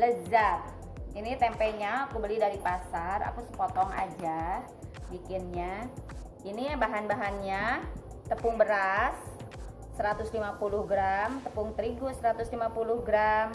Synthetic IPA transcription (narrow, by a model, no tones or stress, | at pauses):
ləzap̚ | init̪ɛmpɛɲaːkubəlɪhdaɾipasara̰kusə̥pɔt̪ɔŋa̰d͡ʒa | bikɪnɲa | inibaɦanbaɦanɲa | t̪əpʊŋbəɾasː | əɾat̪ʊslimapulʊhɡɾamt̪əpʊŋt̪əɾiɡʊsəɾat̪ʊslimapulʊhɡɾam